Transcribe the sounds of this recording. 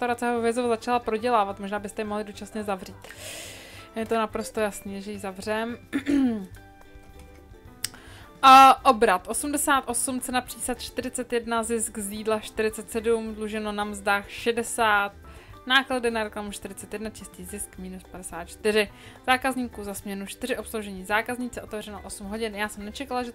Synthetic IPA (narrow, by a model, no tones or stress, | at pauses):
t̪aɾat͡sɛɦovɪzovazat͡ʃalapɾo̞ɟɛlaːvat̪moʒnaːbɪst̪ɛjɛmoɦlɪdot͡ʃasɲɛzavriːt̪ | jɛt̪onapɾo̞st̪o̞jasniːʒɛjizavr̝ɛm | ʔo̞bɾat̪ʔo̞sumdɛsaːt̪ʔo̞sumt͡sɛnapr̝̥iːsat̪t͡ʃt̪ɪɾɪt͡sɛt̪jɛdnazɪskziːdlaʃt̪ɪɾɪt͡sɛt̪sɛdumdluʒɛno̞namzdaːxʃɛdɛsaːt̪̚naːkladɪnaɾɛklamuʃt̪ɪɾɪt͡sɛt̪jɛdnat͡ʃɛsciːzɪskmiːnuspadɛsaːt̪̚t͡ʃt̪ɪɾɪz̥aːkazɲiːkuzasmɲɛnut͡ʃt̪ɪɾɪʔo̞pslowʒɛɲiːzaːkazɲit͡sɛo̞t̪ɛvrɛnoʔo̞sumɦo̞ɟɪnjaːsɛmnɛt͡ʃɛkalaʒɛ